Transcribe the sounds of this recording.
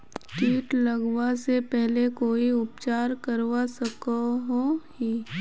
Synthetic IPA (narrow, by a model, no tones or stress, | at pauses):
ʈiːʈlɐɡwasepɛɦlekoːiʊp̚t͡ʃaːɾkəɾwasɐkoɦohi